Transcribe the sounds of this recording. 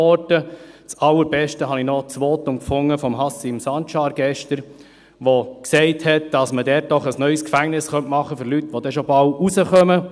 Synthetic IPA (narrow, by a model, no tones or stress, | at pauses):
ɔɾdət͡sɑlːəɾbɛʃtəɦɑninɔt͡sʋoːt̪ʊmkfʊŋːəfɔmɦɑsimsɑntʃɑːɾɡɛʃtəɾ | ʋoksɛɪthɛt̚d̥ɑsmədɛːt̚d̥ɔχəsnœʏskfæŋnɪsχœntmɑχːəfɵɾlytʋodɛʃɔbɑwusəχœmə